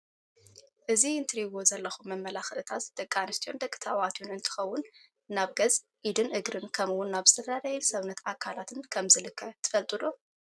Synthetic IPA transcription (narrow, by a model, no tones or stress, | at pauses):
ʔɨziɨnt̪ʰɨɾiβo̞zɐlːɐxumːɐmːɐlaxɨʔɨt̪ʰat̪d̪̥ɐkʼːanɨst̪ʰijo̞nd̪ɐkʼːɨ̥t̪ʰawat̪ʰjunɨnt̪ʰɨ̥xɐwːʊn | naβɡɐz | ʔid̪ɨnʔɨɡɾɨnkʰɐmɨwʊnːaβzɨt̪ʰɐd̪ad̪ɐjɛnsɐβnɐt̪akʰːalat̪ʰɨnkʰɐmzɨlɨkʰːɐt̪ʰɨ̥fɐlt̪ʼɨd̪o